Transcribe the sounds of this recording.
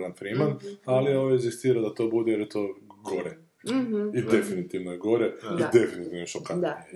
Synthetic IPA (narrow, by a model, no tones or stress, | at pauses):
ʋanfɾimanalioʋoeɡzist̪iːɾad̪at̪o̞ːbud̪ejeɾet̪oɡoɾe | id̪efinit̪iʋnojeɡo̞ɾeid̪efinit̪iʋnoʃoka